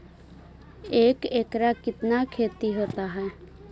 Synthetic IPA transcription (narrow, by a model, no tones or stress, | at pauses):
eːkeːkɾakɪt̪nakʰeːt̪iɦoːt̪aɦɛː